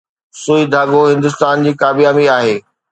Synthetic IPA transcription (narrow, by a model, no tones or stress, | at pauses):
suːid̪ʱaːɠoɦɪ̃nd̪ʊst̪aːnd͡ʑiːkaːbijaːmiaːɦeː